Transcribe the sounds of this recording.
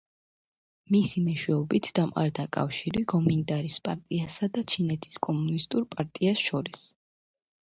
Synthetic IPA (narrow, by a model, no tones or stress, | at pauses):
misimɛʃwɛɔbit̪ʰd̪̥amqʼa̰ɾd̪akʼa̰fʃiɾiɡɔmint̪ʼaɾispʼaɾt̪ʼiasad̪at͡ʃʰinɛt̪ʰi̥skʼɔmunist̪ʼuɾpʼaɾt̪ʼiasʃɔɾis